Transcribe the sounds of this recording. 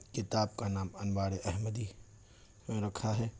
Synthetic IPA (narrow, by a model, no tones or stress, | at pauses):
kɪt̪aːb̚kanaːmɐnbaːɽeʔɛɦməd̪i | mẽɾɐkʰaɦɛː